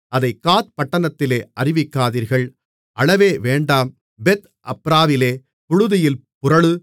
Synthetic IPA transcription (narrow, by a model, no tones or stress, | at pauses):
ɐðɐɪkːaːt̪̚pɐʈːɐnɐt̪ːɪleːʔɐrɪʋɪkːaːðiːɾɣɐɭ | ʔɐɭɐʋeːʋeːɳɖaːm | bɛt̪ | ʔɐpɾaːʋɪleː | pʊɻʊðɪjɪlpʊɾɐɭɯ